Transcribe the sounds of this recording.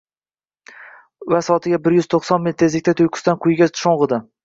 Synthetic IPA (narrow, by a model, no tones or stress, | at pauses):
vasɒt̪ʰɪɡʲabɪɾjʏz̥t̪ʰoqsɒnmɪt̪ʰe̞zlɪkʲt̪ʰat̪ʰʊjqʰʊ̥st̪anqʰʊjɡʲaʃoɴʁɨd̪ɪ